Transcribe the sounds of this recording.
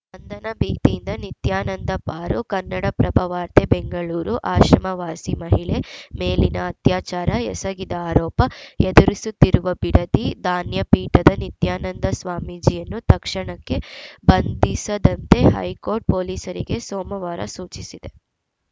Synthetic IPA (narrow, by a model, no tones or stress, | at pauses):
bɐnd̪ɐnɐbiːt̪ijind̪ɐnit̪jaːnɐnd̪ɐpaːɾukɐnːɐɽɐpɾɐbʱɐʋaːɾt̪ebeŋɡɐɭuːɾuʔaːʃɾɐmɐʋaːsimɐɦiɭemeːlinɐːt̪jaːt͡ʃaːɾɐɛsɐɡid̪ɐaːɾɔːpɐɛd̪uɾisut̪ːiɾuʋɐbiɽɐt̪id̪aːnjɐpiːʈɐd̪ɐnit̪jaːnɐnd̪ɐsʋaːmid͡ʒijɐnːut̪ɐkʂɐɳɐkːe̞bɐnd̪isɐd̪ɐnt̪e̞ɦɐ̰jkoːɾʈ̚poːliːsɐɾḭɡe̞sɔːmɐʋaːɾɐ̰suːt͡ʃisid̪e̞